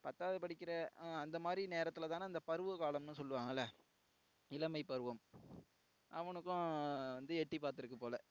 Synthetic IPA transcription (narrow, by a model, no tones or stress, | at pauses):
pɐt̪ːaːʋɐðɯpɐɽɪkʲːɪɾɐɐnd̪ɐmaːd̪ɾineːɾɐt̪ːɯlɐt̪aːnɐnd̪ɐpɐɾɯʋɯkaːlɐmnɯsɔlːɯʋaːŋɡɐlːɐ | ɪlɐmɐɪpːɐɾɯʋɐm | ʔɐʋɐnɯkːʊ̃ʋɐnd̪ɯɛʈːipaːɾt̪ɪɾɯkːɯpoːlɐ